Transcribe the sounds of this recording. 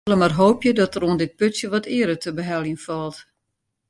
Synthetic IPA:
ləmarɦoːpjədɔtəroəndɪt̚pøtsjəʋɔtɪəɾətəbəɦɛlˠinfɔlˠt

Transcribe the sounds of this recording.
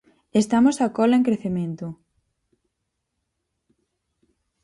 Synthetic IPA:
est̪amosakɔlaeŋkɾeθemẽnt̪ʊ

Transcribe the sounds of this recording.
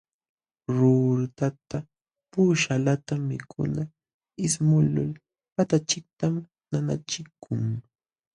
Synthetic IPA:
ɾuɾt̪at̪a | puːʃalat̪amɪ̰kʰʊ̰na | ɪsmʊlʊ̰l | pat̪at͡ʃɪk̚t̪am | nana̰t͡ʃɪkʰʊŋ

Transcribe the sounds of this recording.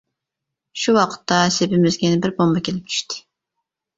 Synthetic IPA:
ʃuwɑqʰə̥t̪ʰːɑsepɪmɪzɡʲɛnɪbɪɾbombɑkʲʰelɪp̚t͡ʃʰy̥ʃt̪ʰɪ̥

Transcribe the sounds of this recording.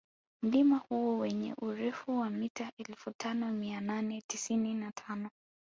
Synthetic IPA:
m̩limahuɔwɛɲɛ̰ʔuɾɛfuwamitaʔɛlfutʰanɔmiananɛtisininatʰanɔ

